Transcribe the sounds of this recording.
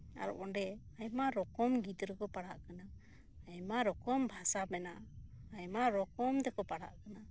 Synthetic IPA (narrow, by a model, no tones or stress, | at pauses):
a̰ɾɔ̰ʔɔnɖɛajmaɾɔkɔmɡit̪ɾɔkɔpaɽaʔkanaː | jmaɾɔkɔmbʱasabɛnaːjmaɾɔkɔmd̪ɛkɔpaɽa̰ʔkana